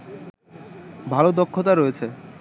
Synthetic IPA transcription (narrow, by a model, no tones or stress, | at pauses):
bʱalod̪ɔkʰːot̪̬aɾojet͡ɕʰe